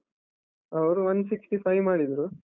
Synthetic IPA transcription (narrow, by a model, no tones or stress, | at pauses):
ɐʋɾuʋɐnːsiksʈipʰɐjmaːɽid̪ɾu